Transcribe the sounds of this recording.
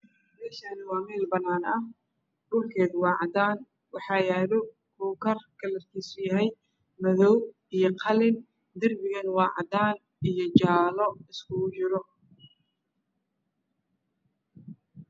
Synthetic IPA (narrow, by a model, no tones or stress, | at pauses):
ɾɛːʃɐnɪwɑːmɛːlbɐnːaːnɐh | ɖʊlkʰɛːðwɑːʕɑd̪aːn | wɑħɑːjaːðɔ | kʰuːkʰɐrkʰɐlɐrkʰiːsʊjɐɦɛj | mɐðɔw | ijɞqʰɑlɪn | d̪ɐrbɪɣɐnwɑːʕɑ̰d̪aːn | ijɞt͡ʃaːlɔɪskʰʊt͡ʃɪɾɔ